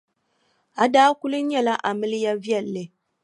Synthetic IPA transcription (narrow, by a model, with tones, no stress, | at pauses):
a˨daː˦kʊ˦lɨ˦ɲɛ˦la˦ʔa˨mɨ˦lɪ˦ja˦vi˦ɛ˦˨lːɨ˨